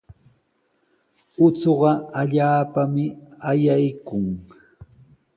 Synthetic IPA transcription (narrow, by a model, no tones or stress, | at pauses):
ʊt͡soɢɑaʎaːpamɪajajkʊŋ